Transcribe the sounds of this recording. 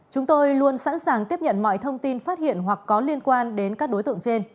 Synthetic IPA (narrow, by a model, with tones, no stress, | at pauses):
t͡ɕʊ˨˦ŋ͡mt̪o˧jlu˧ənsa̰˧˥nsaː˨˩ŋt̪i˦˥əp̚ɲə̰˧˨nmɔ̰˧˨jt̪ʰə˧wŋ͡mt̪i˧nfaː˦˥t̚hḭ˧˨ənɦwa˨˩kːɔ˨˦li˧ənkwaː˧nɗe˨˦nkaː˦˥k̚ɗo˨˦jt̪ɨ̰˧˨ə˨ŋt͡ɕe˧n